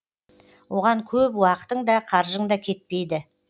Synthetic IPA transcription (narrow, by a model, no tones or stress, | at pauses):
wʔo̞ʁɑŋkʲʰɵpwɑqə̥t̪əɴd̪ɑqʰɑɾʒəɴd̪ɑkʲʰe̞t̪̚pe̞jd̪ɪ